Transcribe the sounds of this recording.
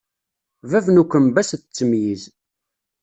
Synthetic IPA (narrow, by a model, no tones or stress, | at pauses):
vævnukʷːəmbæst͡sːəmjiz